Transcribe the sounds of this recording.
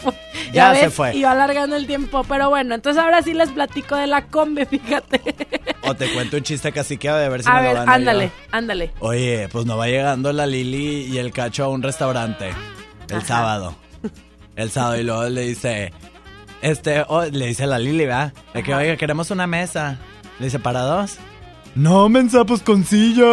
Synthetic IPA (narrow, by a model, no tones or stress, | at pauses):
ʝaβsesefwe̞iβalaɾɣand̪oelt̪̬je̞mpo̞pe̞ɾo̞βwe̞no̞ent̪onsesaoɾasile̞zplat̪ikoðe̞lako̞mbe̞fixat̪eot̪e̞kwe̞nt̪ount͡ʃis̬t̪ekasikeoðeaβe̞ɾsiaβeɾanand̪ale | and̪aleoʝepwezno̞βaʝe̞ɣand̪o̞laliliːe̞lkat͡ʃoaunre̞st̪awɾant̪e̞̰ːlsaβað̞o̞̰ | elsaβaðoilweɣole̞ðise̞ | est̪e̞ʔoleðise̞laliliβaðekeβajɣake̞ɾe̞mo̞suname̞sa | leðis̬e̞paɾaðo̞s | nomens̬ap̬oskonsiʝo